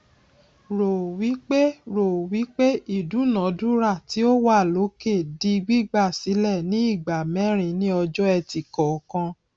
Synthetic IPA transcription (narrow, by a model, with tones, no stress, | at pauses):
ɾo˨wi˨˦k͡pe˦ɾo˨wi˨˦k͡pe˦i˦˨du˨˦nã˨˦du˦ɾa˦˨ti˨˦o˦wa˦˨lo˨˦ke˦˨di˧ɡ͡bi˦ɡ͡ba˦˨si˨˦lɛ˦˨nĩ˨˦i˦˨ɡ͡ba˨mɛ̃˨˦ɾ̃ĩ˧˦nĩ˦ɔ˧d͡ʒɔ˦ɛ˧ti˨kɔ˨kã˧